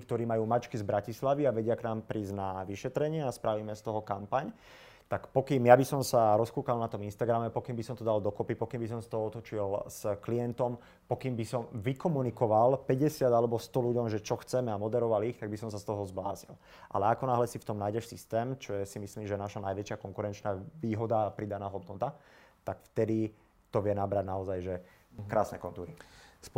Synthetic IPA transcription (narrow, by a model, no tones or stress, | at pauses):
k̚t̪ɔɾiːmajuːmat͡ʃkizbɾacislaʋiaʋɛɟɪaknaːmpɾiːznaʋiʃɛt̪ɾɛɲɪɛaspɾaʋiːmɛst̪ɔɦɔkampaɲ | t̪akpɔkiːmjabisɔmsaɾɔskuːkalnat̪ɔminst̪aɡɾamɛpɔkiːmbisɔmt̪ɔd̪ald̪ɔkɔpipɔkiːmbis̬ɔmst̪ɔɦɔɔt̪ɔt͡ʃilz̥kliɛnt̪ɔm | pɔkiːmbisɔmʋikɔmunikɔʋalpɛɟɛsɪad̪alɛbɔst̪ɔluɟɔmʒɛt͡ʃɔxt͡sɛmɛamɔd̪ɛɾɔʋalixt̪aɡ̚bisɔmsast̪ɔɦɔzbla̰ːzḭl | ʔa̰lɛakɔnaɦlɛsift̪ɔmnajɟɛʃsist̪ɛːmt͡ʃɔjɛsimisliːmʒɛnaʃanajʋɛt͡ʃɪakɔŋkuɾɛnt͡ʃnaːʋiːɦɔd̪apɾid̪anaːɦɔd̪nɔt̪a | t̪akft̪ɛd̪i | t̪ɔʋɪɛnabɾaɟnaɔzajʒɛ | kɾaːsnɛ̰kɔnt̪uːɾi